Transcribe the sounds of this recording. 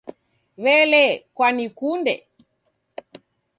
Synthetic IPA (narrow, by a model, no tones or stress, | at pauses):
βɛlɛkwanikundɛ̰